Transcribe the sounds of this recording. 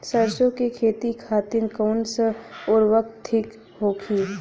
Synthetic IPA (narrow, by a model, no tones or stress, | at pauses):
səɾʃõkekʰeːt̪ikʰaːt̪ɪnkɔːnsʊɾʋək̚t̪ʰːɪk | ɦoːkʰiː